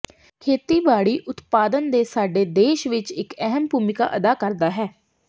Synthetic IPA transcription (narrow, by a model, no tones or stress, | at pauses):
kʰeːt̪iːbaːɽiːʔʊt̪paːd̪ənd̪eːsaːɖeːd̪eːʃʋɪt͡ʃɪkɛɦəmbʱuːmɪka̰ːʔəd̪aːkəɾd̪aːɦɛː